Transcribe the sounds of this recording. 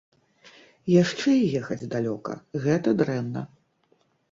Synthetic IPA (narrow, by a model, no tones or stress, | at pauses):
jaʂt͡ʂɛijɛxɐd͡zʲd̪alʲɔkɐ̰ɣɛt̪ɐd̪ɾɛmnɐ